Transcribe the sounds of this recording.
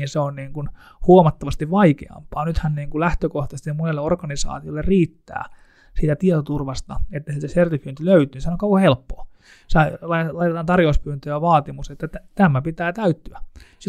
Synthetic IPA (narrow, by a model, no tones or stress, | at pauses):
inseonniːŋkun | huomɑt̪ːɑʋɑst̪iʋʋɑikḛɑ̰mpɑːnyt̪hænniːŋkulæht̪økoht̪ɑsest̪iɑmonelːeorkɑnisɑ̰ːt̪iolːerriːt̪ːæ̰ː | siːt̪æt̪iet̪ot̪urʋɑst̪ɑet̪ːæsit̪æsert̪ifyːnt̪yløyt̪yːnisenoŋkɑukɑhelpːoː | sɑlɑlɑit̪et̪ɑːnt̪ɑrjouspyːnt̪øjɑʋɑːt̪imuset̪ːæt̪æt̪æmːæpit̪æːt̪æyt̪ːyæs